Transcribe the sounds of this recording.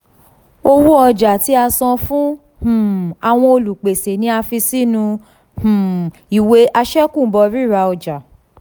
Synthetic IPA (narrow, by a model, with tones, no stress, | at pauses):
o˧wu˦ɔ˧d͡ʒa˨ti˨˦a˧sã˧fũ˦ | h̩˨a˨w̃ɔ̃˧o˧lu˨k͡pe˨se˨nĩ˧˦a˧fi˧si˦nũ˧ | h̩˨ | i˨we˧˦ʔa˧ʃɛ˦kũ˦˨˦bɔ˧ɾi˦˨ɾa˧ɔ˧d͡ʒa˨